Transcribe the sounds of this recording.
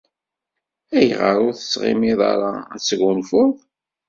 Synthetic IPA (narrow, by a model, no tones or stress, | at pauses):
æjʁəɾʊɾθə̥sʁɪ̰miðˤɑ̰ɾˤɑæt͡sːʝunfʊðˤ